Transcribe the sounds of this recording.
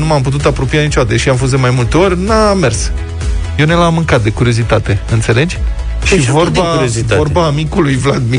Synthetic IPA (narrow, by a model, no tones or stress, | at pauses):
numamput̪̬ut̪apɾo̞pijanit͡ʃoat̪eʃiamfo̞z̬d̪e̞majmult̪e̞o̞rʲname̞rs | jewne̞lamːɨŋkat̪̚d̪e̞kuɾio̞zit̪at̪e̞ɨnt̪se̞le̞d͡ʒʲ | ʃivorbaozo̞rbaːmikulujvlad̪mi